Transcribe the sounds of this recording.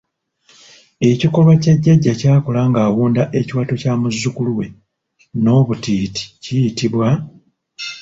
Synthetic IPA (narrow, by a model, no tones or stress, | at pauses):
e̞ciko̞lwacaɟːaɟːacaːkolaŋɡaːwuːndaʔe̞ciwaːtocaːmuzːukuluwe̞ | no̞ːβutiːti̥cijitiβwa